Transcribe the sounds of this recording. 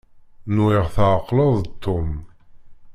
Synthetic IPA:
nuiʁθəʕqːləðˤt̪ʰːom

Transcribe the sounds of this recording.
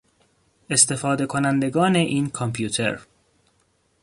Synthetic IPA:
ʔe̞st̪e̞fɒːd̪e̞kʰo̞nænd̪e̞ɡɒːne̞ʔiːnkʰompʰjuːt̪ʰḛɾ

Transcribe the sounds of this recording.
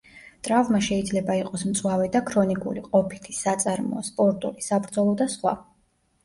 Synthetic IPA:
t̪ʼɾavmaʃɛid̪zlɛbaiqʼɔsmt̪sʼwavɛd̪akʰɾɔnikʼṵliqʼɔpʰi̥t̪ʰi̥sat̪sʼaɾmɔ̰ːspʼɔɾt̪ʼulisabɾd̪zɔlˠɔd̪asχwa̰

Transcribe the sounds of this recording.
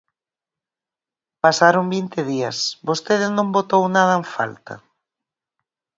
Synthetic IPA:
pasaɾombint̪ɪð̞iɐsbost̪eðɪznõmbot̪ownað̞ɐeɱfa̰lt̪ɐ̰

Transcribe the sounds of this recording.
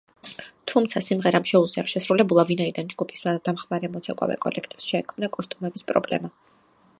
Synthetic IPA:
t̪ʰumt̪sʰasimʁɛɾamʃɛuzia̰ʃɛsɾulɛbulˠavinaid̪and͡ʒɡupʰi̥smad̪amχmaɾɛmɔt̪sʰakʼa̰vɛ̰kʼɔ̰lɛkʰt̪ʼifsʃɛːkʰmnakʼɔst̪ʼumɛbispʼɾɔ̰blɛ̰ma

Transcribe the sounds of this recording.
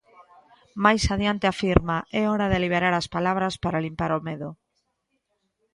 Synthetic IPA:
majsaðjant̪eafiɾmaɛɔɾaðeliβeɾaɾaspalaβ̞ɾaspaɾalimpaɾomeðʊ

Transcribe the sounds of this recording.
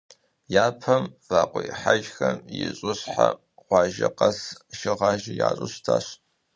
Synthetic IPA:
jaːpʰɐmfaːqʷʼʊjħaʒxɐmjɪɕʼɨɕħa | χʷɑːʒɐqɐsʃɪʁɑːʒɪjaːɕʼɨɕtʰaːɕ

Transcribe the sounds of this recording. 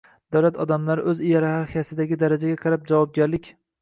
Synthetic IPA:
d̪̥awlat̪ʰɒd̪amlaɾɪʔɵzɪjaɾahaɾhijasɪd̪aɡʲɪd̪aɾad͡ʒaɡʲaqʰɑɾap̚d͡ʒavɒb̚ɡʲaɾlɪkʲ

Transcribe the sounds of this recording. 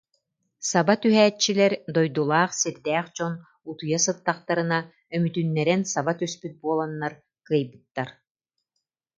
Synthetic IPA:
sabat̪yɦɛːt͡ʃːilɛɾd̪ɔjd̪ulˠaːχsiɾd̪ɛːχt͡ɕɔn | ut̪ujasɯt̪ːaχt̪aɾɯna | œmyt̪ynːɛɾɛnsabat̪yspyt̪̚buɔlˠanːaɾ | kɯjbɯt̪ːaɾ

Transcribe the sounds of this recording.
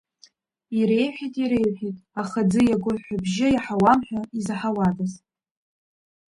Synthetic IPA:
iɾejħʷᶣitʼiɾejħʷitʼaχad͡zɨjaɡʷʊlħʷabʒɪjaħawamħᶣaizaħawatʼaz

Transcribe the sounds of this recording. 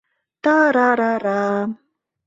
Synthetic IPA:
t̪aɾaɾaɾa

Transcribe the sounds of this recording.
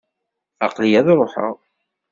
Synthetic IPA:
ɑqlijæðɾˤoħə̰ʁ

